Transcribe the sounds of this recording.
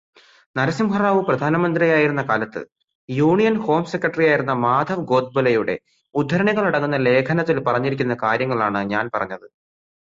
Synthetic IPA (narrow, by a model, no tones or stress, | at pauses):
nɐɾɐsimhɐraːʋɨprɐd̪ʱaːnɐmɐnd̪rijaːjiɾunːɐkaːlɐt̪ːɨ̰ | juːɳijɐnho̞ːmse̞kːrɐʈːrijaːjiɾunːɐmaːd̪ʱɐʋɡo̞ːd̪̚bɐlɐjuɽe̞̰ | ud̪ʱːɐɾɐɳiɣɐɭiɽɐŋːunːɐle̞ːkʰɐnɐt̪ːilpɐrɐɲːiɾik̬ʲːunːɐkaːɾjɐŋːɐɭaːɳɨɲaːnpɐrɐɲːɐðɨ